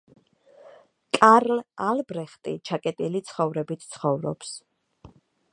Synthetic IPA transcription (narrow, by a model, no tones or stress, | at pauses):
kʼaɾlalbɾɛχt̪ʼḭt͡ʃʰakʼɛt̪ʼilit̪sʰχɔvɾɛbit̪ʰt̪sʰχɔvɾɔ̰ps